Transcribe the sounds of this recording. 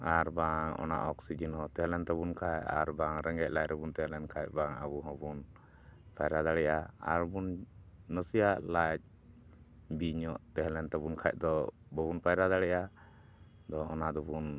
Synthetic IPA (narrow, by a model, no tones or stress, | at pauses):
aɾbaŋɔ̰na̰ʔɔksid͡ʒinhɔt̪ɛɦɛlɛnt̪ɛbunkʰaja̰ɾbaŋɾɛŋɡɛʔ̚lajɾɛbunt̪ɛɦɛlɛnkʰajc̚baŋabuɦɔ̃bun | pajɾad̪aɽɛʔaa̰ɾbunːəsijaʔlac̚ | biɲɔʔt̪ɛɦɛlɛnt̪ɛbunkʰajʔ̚ˀd̪ɔbɔbunpajɾad̪aɽɛʔa | d̪ɔːnad̪ɔbun